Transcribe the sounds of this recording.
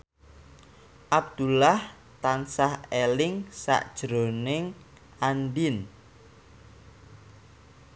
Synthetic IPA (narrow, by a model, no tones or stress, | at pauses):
ʔab̚d̪̥ulah | t̪ansahelɪŋsa̰ʔd̥ʒ̥ɾo̤nɪŋ | ʔanɖɪn